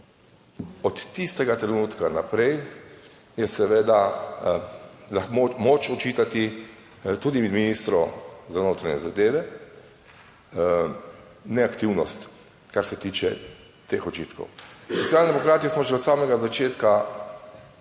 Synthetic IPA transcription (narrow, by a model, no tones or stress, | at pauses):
ɔt̪ːist̪ɛɡat̪ɾɛnuːt̪kanapɾɛj | jɛsɛʋeːd̪a | laxmmot͡ʃɔt͡ʃiːt̪at̪i | t̪uːd̪imɛd̪minist̪ɾɔzanoːt̪ɾaɲɛ̰zad̪eːʋɛ | nɛakt̪iwnɔst̪ | kaɾsɛt̪iːt͡ʃɛ | t̪eːxɔt͡ʃiːt̪kɔ̰wsɔt̪sjalnʲd̪ɛmɔkɾaːt̪ismɔʒɛɔt̪saːmɛɡazat͡ʃeːt̪ka